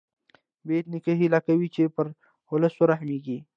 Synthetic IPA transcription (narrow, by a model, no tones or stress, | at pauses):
beːt̪nikɐɦilakɐwit͡ʃepɐɾ | holɐsoɾaɦmiːɡiː